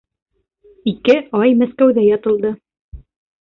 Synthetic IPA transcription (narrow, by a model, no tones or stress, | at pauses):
ikɘɑjmæskæwðæjɒt̪ɤ̆lˠd̪ɤ